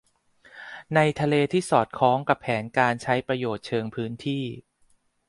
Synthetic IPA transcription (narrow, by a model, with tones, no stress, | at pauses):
na˧jt̪ʰa˧leː˧t̪ʰiː˥˩sɔː˨˩t̪̚kʰɔː˦˥ŋka˨˩pʰɛː˩˦nkaː˧nt͡ɕʰa˦˥jpɾa˧joː˨˩t̪̚t͡ɕʰɤː˧ŋpʰɯː˦˥nt̪ʰiː˥˩